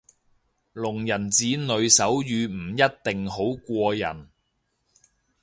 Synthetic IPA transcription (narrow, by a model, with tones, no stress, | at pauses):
lʊ˨˩ŋjɐ˨˩nt͡siː˨˧nɵ˨˧ɥsɐ˨˥wjyː˨˧m̩˨˩jɐ˥t̚t̪ɪ˨ŋɦo˨˥wkʷɔː˧jɐ̰˨˩n